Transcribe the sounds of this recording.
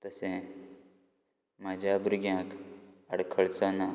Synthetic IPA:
t̪əsẽ | maːd͡ʑʱabɾuɡjãːkəɽkʰəɭt͡sɔna

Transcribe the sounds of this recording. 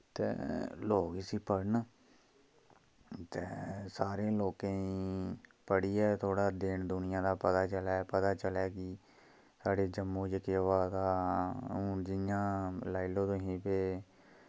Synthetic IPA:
t̪ḛːloːksiːpəɽn | t̪eːsaːɾẽːloːkẽːi | pəɽiːɛːt̪ʰoːɽaːd̪eːɳd̪ʊnɪjãːd̪aːpət̪aːt͡ʃəlɛːpət̪aːt͡ʃəlɛːkɪ | saːɽeːd͡ʒəmːoːd͡ʒɪkeʋaːt̪aː | d͡ʒɪjãːlaːilõːt̪õːɦĩːpeː

